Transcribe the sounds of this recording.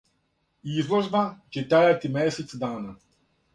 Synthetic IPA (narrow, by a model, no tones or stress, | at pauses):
izvɔʒbat͡ʃɛt̪ɾajat̪imɛsɛt̪sd̪aːna